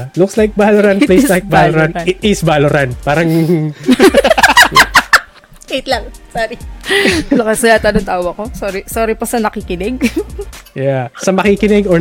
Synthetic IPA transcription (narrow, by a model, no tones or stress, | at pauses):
lʊkslajk̚bahloɾanplejslajk̚balɾanɪɪsbaloɾanpaːɾɐŋ | ejt̪lɐŋsoːɾi | lokɐsɐjaːt̪anʊnt̪aːwoɐkosoːɾɪsoːɾɪpɐsɐnɐkɪkɪnɪɡ̚ | jasɐmɐkikɪnɪɡɔ